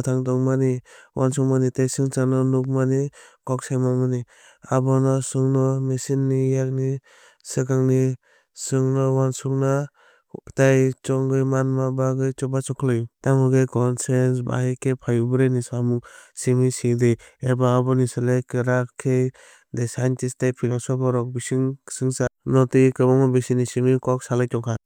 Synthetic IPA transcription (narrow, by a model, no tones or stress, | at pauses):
tʰaŋtɔŋmaniwʔansɔŋ̚manitajsɯŋt͡ʃanɔnuk̬̚manikɔk̚sajmamɯni | abɔnasɯŋnɔmesinːijak̚ni | sɯkaŋni | sɯŋnɔwansuk̚na | tajt͡ʃɔŋɡɯjmanmabaɡɯjt͡ʃɔbat͡ʃɔkʰlɯjtaŋɯɡɯjkɔnsensba̰hekʰepʰajubɯɾenisaamuksimisideebaːbɔnisalajkɯɾakʰːej | desantistajpʰilŋsɔbɔɾɔk̚bisiŋsɯŋsanɔtikɯbɔŋɔbesinːisimikɔk̚salajtɔŋkʰan